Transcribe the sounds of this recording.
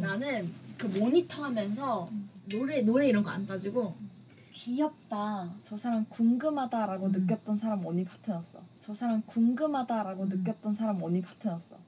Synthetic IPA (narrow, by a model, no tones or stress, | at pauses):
nanɯnkɯmoɲitʰʌɦamjʌnsʰʌnoɾenoɾe̞iɾʌnɡʌa̰nɡad͡ʑiɡo | kiʌp̚t͈at͡ɕʌsʰaɾamkuŋɡɯmɦadaɾaɡonɯk̬͈jʌt̚t͈ʌnsʰaɾamʌɲipatʰɯnʌs͈ʌt͡ɕʌsʰaɾamkuŋɡɯmɦadaɾaɡonɯk͈jʌt̚t͈ʌnsʰaɾamʌɲipatʰɯnʌs͈ʌ̰